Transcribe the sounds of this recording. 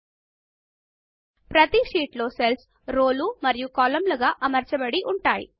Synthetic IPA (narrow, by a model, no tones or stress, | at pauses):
pɾɐt̪iʂiːʈlo̞ːsels | ɾoːlumɐɾijukɔːlɐmlɐɡaːʔɐmɐɾt͡ʃɐbɐɽiʔuɳʈaːjḭ